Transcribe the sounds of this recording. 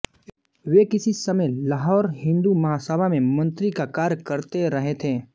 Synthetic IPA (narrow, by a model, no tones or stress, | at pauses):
ʋeːkɪsisɐməjlaːɦɔːɾɦɪ̃nd̪umɐɦasəbʱamẽmɐ̃nt̪ɾikakaːɾjkɐɾt̪eɾɐɦet̪ʰeː